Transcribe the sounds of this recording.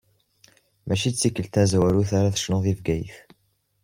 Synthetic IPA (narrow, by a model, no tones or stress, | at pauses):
mæʃit͡sːikːəlt̪æzwæɾuθaɾaθə̥ʃnoðivɡæjə̰θ